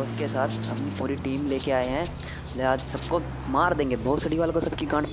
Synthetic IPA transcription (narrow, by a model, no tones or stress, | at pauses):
ʊskesaːt̪ʰɦɐmnipuːɾiʈiːmleːkeaːeɦɛ̃ | leɦaːd͡ʒsɐbko | maːɾd̪ẽːŋɡebɔːt̪sɐɽiʋaːlkosɐb̚kiɡãːɳ